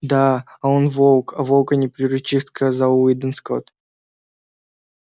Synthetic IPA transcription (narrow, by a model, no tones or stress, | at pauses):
d̪aaonvolˠkɐvolˠkənʲɪpɾʲɪɾʊt͡ɕiʂskɐzauid̪ɨnsko̰t̪